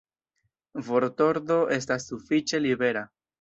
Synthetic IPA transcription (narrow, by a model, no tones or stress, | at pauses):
vo̞ɾt̪o̞ɾd̪o̞ʔe̞s̬tasːufit͡ʃe̞libe̞ɾa